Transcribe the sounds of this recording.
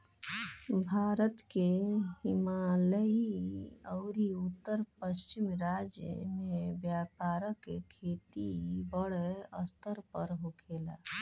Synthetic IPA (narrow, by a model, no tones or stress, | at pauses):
bʱaɾət̪keɦimaləji | əʊɾiut̪ːəɾpəst͡ʃimɾad͡ʒjə̰mebjapaɾəkḛkʰet̪ibəɽeəst̪ʰəɾpəɾɦokʰela